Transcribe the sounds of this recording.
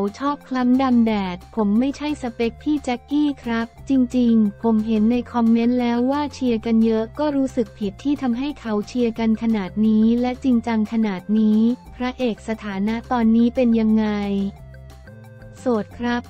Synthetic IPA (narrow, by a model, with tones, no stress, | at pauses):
a˩˦wt͡ɕʰɔː˥˩p̚kʰla˦˥mda˧mdɛː˨˩t̪̚pʰo˩˦mːa˥˩jt͡ɕʰa˥˩jsa˧pe˦˥k̚t̪ʰiː˥˩t͡ɕɛ˦˥kːiː˥˩kʰɾa˦˥p̚t͡ɕi˧ŋt͡ɕi˧ŋpʰo˩˦mɦe˩˦nːa˧jkʰɔ˧mːe˦˥nlɛː˦˥wːaː˥˩t͡ɕʰi˧əka˧njɤ˦˥ʔkɔː˥˩ɾuː˦˥sɯ˨˩k̚pʰi˨˩t̪ʰːiː˥˩t̪ʰa˧mɦa˥˩jkʰa˩˦wt͡ɕʰi˧ɐka˧nkʰa˧naː˨˩t̪̚niː˦˥lɛ˦˥ʔt͡ɕi˧ŋt͡ɕa˧ŋkʰa˧naː˨˩t̪̚niː˦˥pʰɾa˦˥ʔeː˨˩k̚sa˧t̪ʰaː˩˦na˦˥ʔt̪ɔː˧nːiː˦˥pe˧nja˧ŋːa˧j | so˨˩t̪̚kʰɾa˦˥p̚